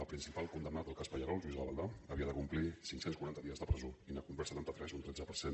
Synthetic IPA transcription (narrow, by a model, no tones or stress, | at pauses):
əpɾinsipalˠkund̪əmnat̪əlˠkaspəʎəɾɔlˠʒwuizəβəlˠd̪aəβiəðəkumplisiŋksenskuɾant̪əðiəzðəpɾəzoinəkumbɾsət̪ant̪ət̪ɾɛzunt̪ɾɛd͡zəpəɾsen